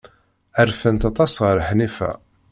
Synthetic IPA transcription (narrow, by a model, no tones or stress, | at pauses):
æɾfənt̪ɑt̪ˤɑsʁəɾħnifæ̰